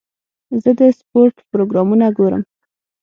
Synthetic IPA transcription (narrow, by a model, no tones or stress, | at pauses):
zəd̪əspoɾʈpɾoɡɾɑmunaɡoɾə̰m